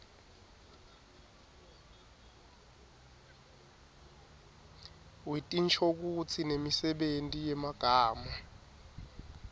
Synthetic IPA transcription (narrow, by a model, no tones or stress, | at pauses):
wetʼint͡ʃʰok̬ut͡sʰinemisɛɓentʼijɛmaɡ̥ʱaːmɔ